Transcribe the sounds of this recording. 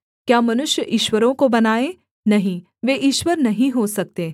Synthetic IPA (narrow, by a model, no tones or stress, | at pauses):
kjaːmɐnʊʃjəʔiːʃʋəɾõkobɐnaːe | nɐɦĩ | ʋeːʔiːʃʋəɾnɐɦĩɦosɐk̚t̪eː